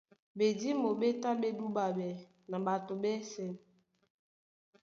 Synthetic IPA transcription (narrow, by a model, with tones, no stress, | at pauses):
be˨di˦mo˨be˦ta˦be˦du˦ba˨bɛ˨ | na˨ba˨to˨bɛ˦sɛ˨m